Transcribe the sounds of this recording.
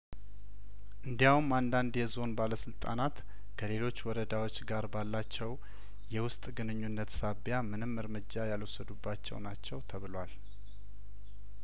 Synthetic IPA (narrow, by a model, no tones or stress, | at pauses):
ʔɨnd̪ijawumand̪and̪jɛzo̞nbaləsɨlt̪ʼa̰nat̪ | kʰəle̞lot͡ʃːwɔɾəd̪awo̞t͡ʃːɡaɾbalːat͡ʃːɛw | jɛwʊst̪ʼɡɨnɨɲːunːət̪saβjamɨnɨmːɨɾmɨd͡ʒːajalwosːəd̪ubːat͡ʃːɛ̰wnat͡ʃːɛwt̪ʰəβɨlwal